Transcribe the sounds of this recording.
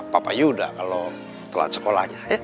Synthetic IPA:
papa̰juda̰ʔkalo | t̪əla̰t̪sə̥kola̰hɲaja

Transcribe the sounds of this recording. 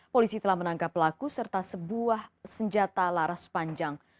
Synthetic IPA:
polisit̪əlahmənaŋkapːəlakusərt̪asəbuahsəɲd͡ʒat̪alaɾaspaɲd͡ʒaŋ

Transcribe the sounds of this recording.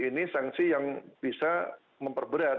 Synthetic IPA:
inisaŋsijaŋb̥isa | məmpərbəɾa

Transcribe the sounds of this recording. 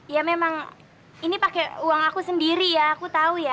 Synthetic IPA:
jamemaŋ | inipakɛuwaŋakusəndiɾijaːkut̪auja

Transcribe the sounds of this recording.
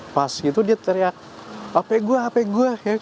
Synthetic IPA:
pasit̪udiat̪əɾiak | apɛɡuaːpɛɡuaja

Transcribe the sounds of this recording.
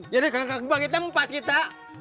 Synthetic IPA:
d͡ʒadikakakbakit̪̬ampat̪̚kit̪a

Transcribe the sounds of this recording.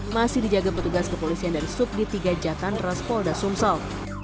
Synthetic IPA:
masɪhdid͡ʒaɡapət̪uɡaskəpolisiandaɾisʊp̚dit̪iɡad͡ʒakanrasfɔldasumsɔl

